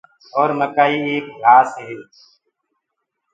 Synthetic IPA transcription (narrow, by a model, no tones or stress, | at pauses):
ɔːɾməkaːiːeːk̚laːsɦeː